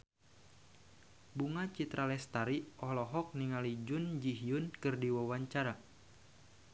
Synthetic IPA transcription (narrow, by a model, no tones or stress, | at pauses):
buŋat͡ʃit̪ɾalɛst̪aɾiʔɔlɔɦɔk̚niŋalid͡ʒʊnd͡ʒiɦiʊnkɨrdiwawaɲt͡ʃaɾa